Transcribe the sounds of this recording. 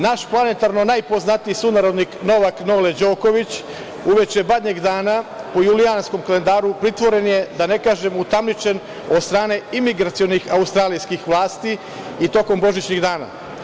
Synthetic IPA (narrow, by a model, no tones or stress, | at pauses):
naʃplˠanet̪aɾno̞najpo̞znat̪iisunaɾo̞d̪nikno̞ʋaknoled͡ʒo̞ːko̞ʋit͡ɕ | uʋe̞t͡ʃebad̪ɲeɡd̪aːnapo̞juliansko̞mkale̞nd̪aːɾupɾit̪ʋo̞ɾe̞nje̞d̪ane̞kaːʒemut̪amlit͡ʃe̞n | o̞d̪st̪ɾaːne̞imiɡɾat̪sijo̞nixaust̪ɾaːlijskixʋlˠaːst̪i | it̪o̞ko̞mbo̞ʒit͡ɕɲiɡd̪aːna̰